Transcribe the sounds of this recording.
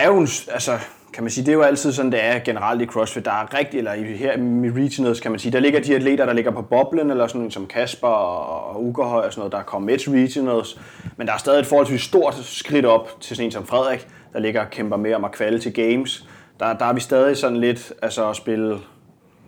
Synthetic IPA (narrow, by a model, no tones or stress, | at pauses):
æɐjonsælsə | kʰæmænsiːd̥e̝jo̝æl̰t͡sʰið̞̰ˠsɒ̽n̩d̥eæɐɡ̥e̝nəʁɑ̈l̰d̥ikʰʁɒ̽sfid̥d̥ɑ̈æɐʁɛɡ̥d̥ielɐiheɐ̰mʁisʰinl̩ˠskʰæmænsiːd̥ɑ̈le̝ɡ̥ɐd̥iæd̥le̝̰ːdɾɐɾ̥ɑ̈le̝ɡ̥ɐpʰɒ̽b̥ɒ̽b̥lənelɐsɒ̽ne̝̰ːnsɒ̽mkʰæsb̥ɐɒːuɡ̥hɒ̽ɪ̰ɒsɒno̽ːðˠdɑ̈kʰɒ̽m̰med̥ʁidnəlˠs | mend̥ɑ̈æɐsd̥ɛðˠied̥fɒːɒlt͡sʰʋḭsd̥o̝ɐ̰d̥sɡ̥ʁiɾ̥ɒ̽b̥t͡sʰe̝sɔ̽ne̝ːnsɒ̽mfʁɛð̞̰ˠʁɐɡ̥ | d̥ɑ̈le̝ɡ̥ɐkʰemb̥ɐme̝ɒ̽mækʰʋælət͡sʰe̝ɡ̥eɪmsd̥ɑ̈d̥ɑ̈æɐʋisd̥ɛːð̞ˠisɒ̽n̰n̩le̝d̥ælsəɒsb̥e̝lə